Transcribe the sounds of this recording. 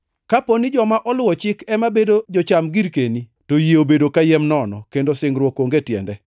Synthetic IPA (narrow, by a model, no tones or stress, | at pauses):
kaponid͡ʒɔmaʔɔlʊwɔt͡ʃɪkɛmabedod͡ʒɔt͡ʃamɡiɾkenitojeobedokajɛmnɔnɔkendosɪŋɾwɔkoŋɡetjɛ̰ndɛ